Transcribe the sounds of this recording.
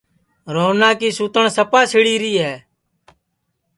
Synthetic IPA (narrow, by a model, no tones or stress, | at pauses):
ɾoːnaːkiːsuːt̪əɳsəpaːsɪɽiːɾiːɦɛː